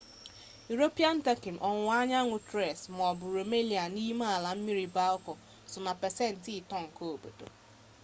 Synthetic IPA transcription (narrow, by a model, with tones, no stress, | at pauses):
ju˨ɾo˦pi˦a˦n̩˦te˦kɪ˨m˨ʔɔ˨ŋʷʊ˨a˦ɲa˦ŋʊ˨tɾe˨sm˨ɔ˨bʊ˨ɾo˨me˦li˨a˨ni˦ma˦a˨la˨m̩˦mi˦ɾi˦ba˦ɔ˦kɔ˨ | sʊ˨na˨pɛ˨sɛ˦n̩˨ti˦ɪ˨tɔ˦ŋ̩˨ko˦o˨bo̰˨to̰˨